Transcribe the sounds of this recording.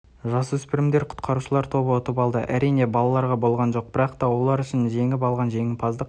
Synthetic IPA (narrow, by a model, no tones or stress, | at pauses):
ʒɑsəwʏspɪɾɪmd̪e̞ɾqʰʊ̥t̪qʰɑɾuʃəlˠɑɾt̪ʰo̞bəwot̪əpɑlˠd̪əʔæɾijne̞bɑlˠɑlˠɑɾʁɑbo̞lˠʁɑnʒo̞q̚bɪɾɑqt̪ɑwo̞lˠɑɾʏʃɪnʒe̞ŋɪpɑlˠʁɑnʒe̞ŋɪpʰɑzd̪əq